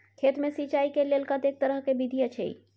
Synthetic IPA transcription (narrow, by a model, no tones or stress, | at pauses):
kʰet̪mẽsit͡ʃaikelelkə̃t̪ek̚t̪əɾəɦkebid̪ʱijət͡ʃʰḛḭ